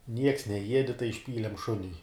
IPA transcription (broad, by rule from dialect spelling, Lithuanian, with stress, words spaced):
nʲiɛks nʲɛˈjiɛdʲɪ tɐɪ ɪʃʲˈpʲiːlʲɛm ˈʃʊnʲʊɪ